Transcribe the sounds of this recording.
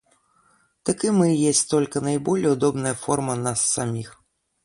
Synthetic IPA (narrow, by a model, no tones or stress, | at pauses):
t̪akɨmɨjɛsʲt̪ɔlʲkɐnɐjbɔlʲɛʊd̪ɔbnɐjɐfɔrmɐnasːamʲix